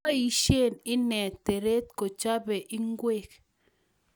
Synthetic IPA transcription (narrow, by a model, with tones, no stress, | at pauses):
a˦i˨ʃe˦˨nɪ˦nɛ˨te˨ɾe˦t̚ko˨t͡ʃa˦bɛ˨ʔi˦ŋɡwe˦˨k